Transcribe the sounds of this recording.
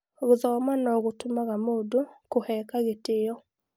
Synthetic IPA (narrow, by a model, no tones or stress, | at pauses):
oɣoðɔmanɔɣotomaɣamodukohɛkaɣetɪjɔ